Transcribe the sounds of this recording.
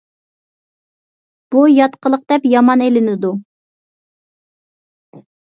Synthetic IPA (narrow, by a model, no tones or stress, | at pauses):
b̥ujɑt̪qəlˠəq̚d̪ɛpjɑmɑnelɪnɪd̪u